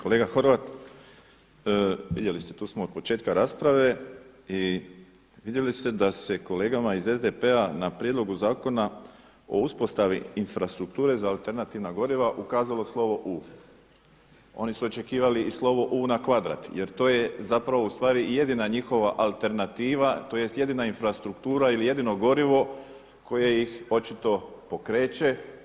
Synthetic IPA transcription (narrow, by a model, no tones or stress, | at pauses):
ko̞le̞ːɡaxo̞ɾʋat̪ | ʋid̪je̞list̪e̞t̪uːsmood̪po̞t͡ʃet̪̚kaɾaːspɾaʋe̞i | ʋid̪je̞list̪e̞d̪ase̞ko̞le̞ːɡamaize̞zd̪epe̞anapɾjed̪lo̞ɡuzaːko̞na | o̞̰uspo̞st̪aʋiinfɾast̪ɾuk̚t̪uːɾe̞zaːlˠt̪e̞ɾnat̪iʋnaɡo̞ɾiʋaʔukaːzalo̞slˠo̞ʋo̞ʔuː | o̞̰nisuo̞t͡ʃe̞kiːʋaliːslˠo̞ʋo̞ʔuːnakʋad̪ɾa̰t̪je̞ɾt̪o̞ːje̞zapɾaʋoust̪ʋaːɾije̞d̪inaɲixo̞ʋaʔalt̪e̞ɾnat̪iːʋat̪o̞je̞st̪je̞d̪inainfɾast̪ɾukt̪uːɾailije̞d̪ino̞ɡo̞ɾiʋo̞ | kʰo̞jejixo̞t͡ʃit̪o̞po̞kɾe̞ːt͡ʃe̞